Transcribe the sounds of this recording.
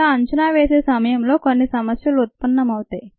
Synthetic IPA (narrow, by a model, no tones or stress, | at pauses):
aɐɲt͡ʃɐnaːʋeːseːsɐmɐjɐmlo̞ːkonːisɐmɐsjɐlut̪̚pɐnːɐmɐwut̪aːji